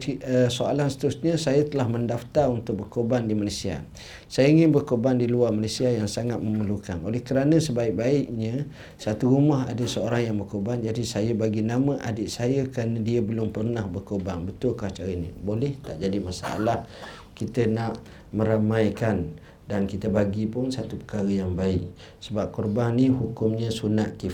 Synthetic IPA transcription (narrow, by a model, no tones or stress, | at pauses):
iəsoa̰lansə̥t̪əɾʊsɲə̃sajət̪əlahməndaft̪arunt̪ʊk̚bərkobandimalasia̰ | sajəiŋɪnbərkobandiluarmalasiajaŋsaŋat̪̚məməlukanʔolɛhkəɾanə̃səbaɪk̚baɪʔɲə̃ | sat̪uɾumaɦa̰dəsəoɾaŋjaŋbərkorbaŋd͡ʒadisajəbaɡinaməʔadɪʔsajəkəɾanə̃diəbəlʊmpərnahbərkorbaŋbət̪ʊlkaht͡ʃaɾəinĩbolɛht̪aʔd͡ʒadimasa̰a̰lah | kit̪ənaʔ | mə̃ɾamajkan | dankit̪əbaɡipʊnsat̪upə̥kaɾəjaŋbaɪk̚ | səbap̚kɔrbaŋnihukʊmɲə̃sunaʔ̪ki